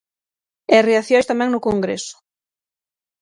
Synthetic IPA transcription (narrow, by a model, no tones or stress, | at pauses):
ereaθjojst̪amɛ̃ŋnʊkoŋɡɾḛsʊ̥